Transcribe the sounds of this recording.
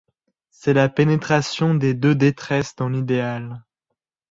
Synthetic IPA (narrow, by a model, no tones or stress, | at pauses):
sɛlapenet̪χasjɔ̃d̪ed̪ød̪et̪χɛsd̪ɑ̃lid̪eal